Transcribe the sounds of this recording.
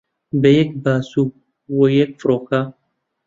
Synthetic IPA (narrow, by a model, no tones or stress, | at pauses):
bejek̚baːsu | wojek̚fɾoːka